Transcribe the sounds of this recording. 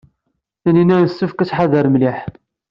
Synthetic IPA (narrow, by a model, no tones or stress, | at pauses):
θæninæjəsːəfkæt͡sːħaðəɾmliħ